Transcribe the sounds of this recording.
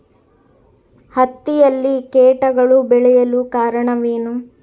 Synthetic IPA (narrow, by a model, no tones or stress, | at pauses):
hɐt̪ːijɐlːikeːʈɐɡɐɭubɛɭɛjɐlukaːɾɐɳɐʋiːnu